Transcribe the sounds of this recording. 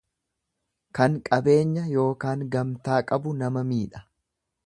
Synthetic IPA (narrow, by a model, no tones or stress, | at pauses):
kɐŋkʼɐbe̞ːɲːɐjo̞ːkaːŋɡɐmt̪aːkʼɐbʊnɐmɐmiːᶑɐ̥